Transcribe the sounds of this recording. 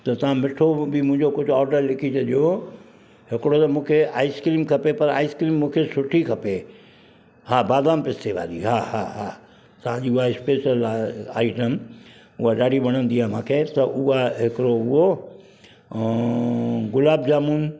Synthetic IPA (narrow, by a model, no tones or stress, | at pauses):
t̪ɐt̪ɐʋ̤ãmɪʈʰobɪmʊ̃ɦɪ̃ɲd͡ʑokʊd͡ʑʱʊɔːɾɖəɾlɪkʰit͡ɕɐɗijo | ɦɪkɪɽot̪ɐmũːkʰeaːɪskɾiːmkʰɐpepɐɾa̰ːɪskɾiːmːũːkʰesʊʈʰikʰɐpe | haːbaːd̪aːmpɪst̪ʰeʋa̰ːɾiɦahaɦa | t̪ɐʋ̤ãd͡ʑiːʊaɪspeːsiəlaːɪʈəm | ʊɦaɗaːɽʱiɓɐɽ̃ə̃nd̪ijam̤ãːkʰet̪ɐʔʊɦaɦɪkɾoʊɦo | ɡʊlaːbd͡ʑaːmuːn